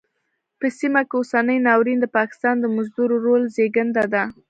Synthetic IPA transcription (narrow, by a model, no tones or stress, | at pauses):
pəsimakeosanəjnɑwɾind̪əpɑkɪ̥st̪ɑnd̪əmʊzd̪uɾoɾolzeɡənd̪ad̪a